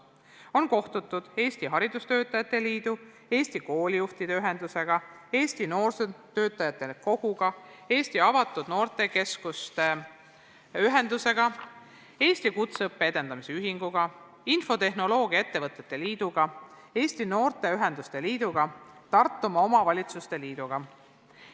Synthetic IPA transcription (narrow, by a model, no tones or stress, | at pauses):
o̞nko̞ht̪ut̪ːˑud̪̥e̞ːsʲt̪iɦɑɾid̪ust̪ø̞ːt̪ːˑɑjɑt̪ːˑe̞liːd̪̥u | e̞ːst̪iko̞ːlijuht̪id̪e̞yɦe̞nd̪̥use̞ɡ̥ɑ | e̞ːst̪ino̞ːrset̪ø̞ːt̪ːˑɑjɑt̪ˑːe̞ko̞ɡ̥uɡ̥ɑ | e̞ːsʲt̪iɑvɑt̪ːˑud̪̥no̞ːrt̪ˑe̞ke̞skust̪e | yɦẽ̞nd̪use̞ɡɑ | e̞ːsʲt̪ikut̪seɤpːe̞e̞d̪e̞nd̪̥ɑmiseyɦiŋɡ̥uɡ̥ɑ | info̞t̪e̞ɦno̞lo̞ːɡ̥ijɑet̪ːe̞vɤt̪ːˑe̞t̪ːˑe̞liːd̪̥uɡ̥ɑ | e̞ːst̪ino̞ːrt̪e̞yɦe̞nd̪ust̪e̞liːd̪̥uɡ̥ɑt̪ɑrt̪ːˑumɑo̞mɑvɑlʲit̪sust̪e̞liːd̪̥uɡ̥ɑ